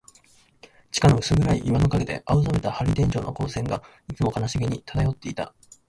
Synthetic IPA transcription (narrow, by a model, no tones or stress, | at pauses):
t͡ɕi̥kano̞ɯ̟sɨɡɯ̟ɾaiʔːβano̞kaɡe̞d̪e̞̰ʔaɯ̟samet̪ahaɾʲid̪ẽ̞ɲ̟d͡ʑo̞̰ːno̞̰ko̞ːsẽ̞ŋɡa | it͡sɨmo̞kanaɕiɡeɲ̟it̪ʰad̪ajo̞t̪ːe̞it̪a̰